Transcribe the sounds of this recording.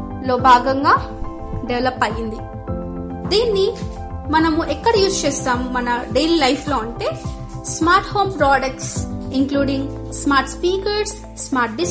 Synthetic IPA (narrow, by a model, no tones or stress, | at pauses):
lo̞ːbʱaːɡɐŋɡaː | ɖeʋlɐpːɐjind̪i | d̪iːnːi | mɐnɐmuʔɛkːɐɽɐjuːst͡ʃeːst̪aːmːɐnɐɖejliːlɐjpʰlo̞ːɐɳʈe̞ː | smaːɾʈhoːmpɾaːɖɐk̚ʈsiŋkluːɽiŋɡ | smaːɾʈspiːkɐɾɾsː | maːɾʈ̚ɖi